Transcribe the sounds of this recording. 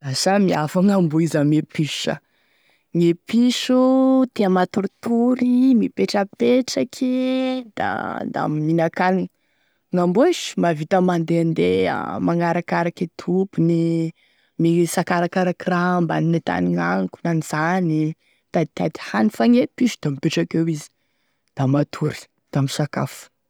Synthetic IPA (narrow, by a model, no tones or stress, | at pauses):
asamiafaŋambuizamepiʃə̰ | ŋepiʃut̪eamat̪uɾit̪uɾimipeʈ͡ʂəpeʈ͡ʂakʰid̪̥a̰d̪a̰miminakan | ŋambueʃmavit̪əmand̪eand̪ḛmaŋaɾakaɾaket̪ʰupuni | misakaɾakaɾakiramba̰ninet̪a̰niŋaŋku̥naniz̥ani | t̪at̪ad̪i̥hanifaŋepiʃi̥d̪̥amipeʈ͡ʂakewizi̥ | d̪̥amat̪ʰuɾi̥ | d̪̥amisaka̰fu̥